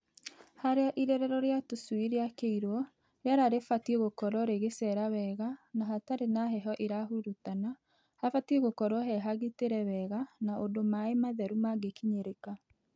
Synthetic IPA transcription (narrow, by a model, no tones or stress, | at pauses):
haɾeaʔiɾɛɾɛɾɔɾeatoswiɾeakeiɾwɔ | jaɾaɾefatieɣokɔɾɔɾeɣesɛɾawɛːɣanaɦataɾenaɦɛɦɔʔeɾahuɾutana | hafatieɣokɔɾwɔɦɛɦaɣiteɾɛwɛɣanaʔodomaemaðɛɾumaɡekiɲeɾeka